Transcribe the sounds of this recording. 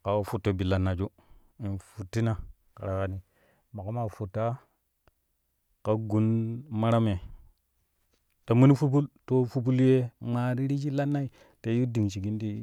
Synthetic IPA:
ka˨wo˦fu˦tːo˨bi˨la˨nːa˨d͡ʒu˦ | i˨nfu˨tːi˦na˨ | ka̰˨ɾa˨ka˨ni˨ | ma˨ka˦ma˨fu˨tːa˦ | ka˦ɡu˦nma˦ɾa˦me˨ | ta˨mu˦ni˦fu˦b̬u˦lto˦fu˦bu˦lje˦ma˨ɾi˦ɾi˦t͡ʃi˦la˦nːa˦i˦ | te˨˦ju˦di˨ŋt͡ʃi˨ɡi˦n˦di˦

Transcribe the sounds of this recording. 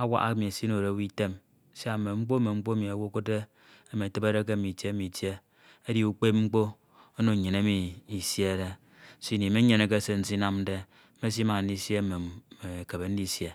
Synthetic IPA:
a˦wa̰˦ʔa˦kmi˨e˨si˦no˨ɾe˨wi˦te˦m˦ | si˦a˨me˨ŋ͡m̩˦k͡po˦me˨ŋ͡m̩˦k͡po˦mi˨a˨wo˦ko˦de˦ | e˨mi˨te˦be˦ɾe˦k̬e˦˨mi˨te˦mi˨tje˦ | e˦di˦u˦k͡pe˦p̚ŋ͡m̩˦k͡po˦ | o˦no˨ɲe˨ne˦mi˨i˨sje˦ɾe˦ | si˦˨ni˨me˦ɲe˨ne˨k̬e˦se˦n̩˦si˦na˦m̩˦de˦ | me˦s̬i˦ma˨n̩˦di˦sje˦˨me˨me˨ke˨be˨n̩˦di˦sje˦

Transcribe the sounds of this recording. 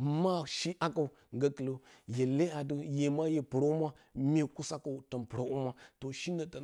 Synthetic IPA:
ma˦ʃi˦ʔa˦ka˨u˨ | ŋɡa˦kə˨lo˦je˨le˦a˨du˦je˨ma˦je˨pə˨ɾa˦u˦ma˦mʲe˦ku˦sa˦ka˨u˨tə˨npɨ˨ɾa˦ʔu˦ma˦to˨ʃi˦na˨ta˨

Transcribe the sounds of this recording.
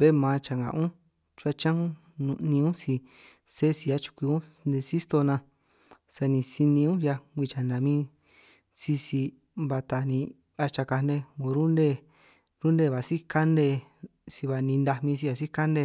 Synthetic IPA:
be˦mã˨˧t͡ʃa˨ŋɡa̰˨ʔũ˦ | t͡ʃu˦a˧t͡ʃã˦ũ˦ | nũ˧nĩ˧ũ˦si˧ | se˦si˧a˦t͡ʃu̥˧kʷi˧ũ˦ | nd̪e˧si˦st̪o˧nã˧ | sa˧nĩ˧si˧nĩ˧ũ˦ja˧ɡʷi˧t͡ʃa˨nã˨˧mĩ˦˧ | si˧si˧ | βa˧t̪a˧˨nĩ˧ | a˧t͡ʃa˧ka˧ne˧õ˧ɾu˦nde˦˧ | ɾu˦nd̪e˧˨βa˨si˦ka˦nde˧˨ | si˧βa˧nĩ˧nd̪a˧mĩ˧s̬i˧a˨si˦ka˦nde˧

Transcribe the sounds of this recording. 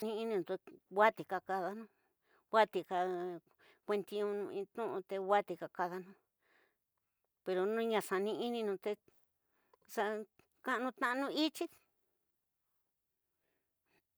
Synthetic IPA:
nĩ˧i˧nĩ˧nũ˧t̪e˧wʷa˦t̪i˨ka˧ka˧ða˧nũ˦ | wa˦t̪i˧ka˧ | kʷe˧nt̪i˧ũ˧nũ˧ĩ˧t̪ũ˦ʔũ˧t̪e˧wa˦t̪i˧ka˧ka˧ða˧nũ˧ | pe˧ɾo˧nũ˦˧ɲã˧sa˧nĩ˧i˦nĩ˧nũ˧t̪e˧ | sa˧ | kã˦ʔnũ˧t̪ã˧ʔnũ˧i˦t͡ʃi˦

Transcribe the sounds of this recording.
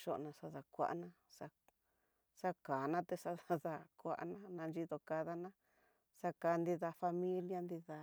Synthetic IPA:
ʃo̰˧ʔnã˧sa˧ða˧kʷa̰˧ʔnã˧ | sa˧ | sa˦kaː˨nã˦t̪e˧sa˧a˧ða˧kʷa̰˧ʔa̰˧nã˦nã˧nd͡ʒi˦˧ðo˧ka˧ða˧nã˦ | sa˧ka˧˦˧nd̪i˧ða˧fa˧mĩ˦lja˦nd̪i˧ða˧

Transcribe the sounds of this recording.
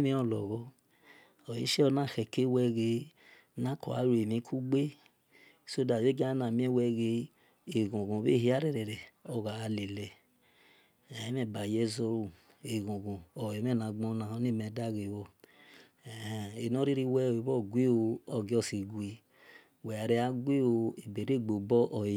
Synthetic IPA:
mĩ˧˦ɔ˧˨lɔ˨ɣɔ˧˦ | o˨ji˦ʃɛ˦ɔ˧nã˦˨xɛ˨ke˦wɛ˧ɡe˧ | nã˦kɔ˨a˨˦ɾe˨mĩ˧˦kʰu˦ɡ͡be˦ | so˦da˨jo˦ɡa˦na˨mĩ˦ɛ˦wɛ˧ɡe˧˦ | e˨ɡõ˨ɡõ˨be˦˨hi˨˦a˦ɾɛ˨ɾɛ˨ɾɛ˨ɔ˧˨ɣa˨a˧le˨lɛ˨ | ɛ˨˦mɛ˦˨ba˨jɛ˦zo˧˦ɾu˧˨ | e˨ɡõ˨ɡõ˨ɔ˨ɛ˨mɛ˦˨nã˨ɡ͡bɔ̃˧˦na˨ho˦n˦e˦˨mɛ˨˦da˦˨ɡe˨wɔ˧˨ | e˨nɔ˦ɾi˦ɾi˦wɛ˦˨e˨bɔ˦˨ɡʷe˦o˧ɔ˧ɡe˨˦ɔ˦˨si˨ɡʷi˧ | wɛ˨a˨ɾɛ˧˦a˦ɡʷe˦o˧e˨be˨ɾe˦˨ɡ͡bo˨bɔ˦ʔɔ˨

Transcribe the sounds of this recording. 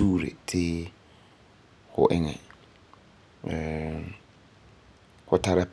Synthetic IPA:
u˦ɾḛ˨tʰɪ˦ | ɣʊ̰˨ʔɪ˦ŋɛ̃˨ | kʊ˦tʰa˨ɾɛ˦p

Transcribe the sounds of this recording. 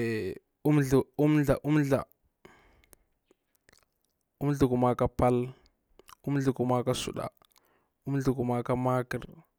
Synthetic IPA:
u˦mɮu˨u˦m˦ɮa˨ʔu˦m˦ɮa̰˨ | u˦m˦ɮu˨ku˨ma˨ka˦pa˦l | u˦m˦ɮu˨ku˨ma˦ka˦sṵ˨ɗa̰˨ | u˦m˦ɮu˨ku˨ma˨ka˦ma˦kḭ˨ɾ

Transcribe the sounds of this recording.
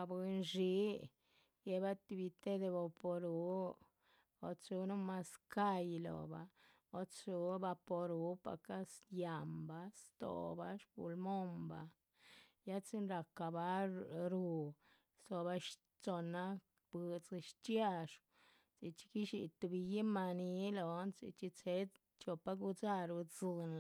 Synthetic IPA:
a˧be˧nʐi˨˦ | je˧ba˦t̪i˧bi˧t̪e˦d̪e˧bo˧po˧ɾu˨˦ | o̰˨t͡su˧nu˦ma˦ska˦˧jlo̰˨ba̰˨ | o˦t͡su˨˦ba˧po˧ɾu˧˦pa̰˨ka˦sja˨mba˦st̪o̰˨ba˦ʂbṵ˨lmo˦mba˨˦ | ja˦t͡si˦nɾa˨ka˨ba˦ɾu˧ | st̪o˧ba˧ʃ | t͡so˧na˦ | b̥ɨ˧t͡sʃt͡ʃja˧ʂ | t͡si˧t͡ʃi̥˧ki˦ʃi˨t̪u˧bi˧ji˦ma˧ni˦lo˨˦nt͡sḭ˧t͡ʃi˧t͡se˦ | t͡ʃo˧pa˧˦ɡu˧t͡sa˦ɾu˧d͡zɨ˧n

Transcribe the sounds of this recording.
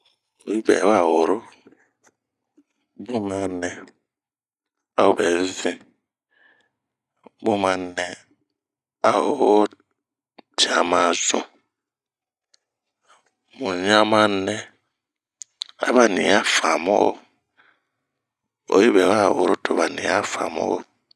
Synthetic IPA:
o˨ji˦bɛ̰˨˦wa˦˨wo˨ɾo˦ | bu˦ma˦nɛ˦ | a˨˦o˦bɛ˨˦zi˦ | bu˦ma˨nɛ˦ | a˦o˦ | tʰa˨ma˨zṵ˨ | mu˨ɲa˦ma˦nɛ˦ | a̰˨βa˨ni˨ja˦fa˨mɔ̰˦˨ | o̰˨˦i˦βɛ˨wa˦˨o˨ɾo˦tʰo˨βa˨nḭ˨a˦fa̰˨mɔ̰˦o˦

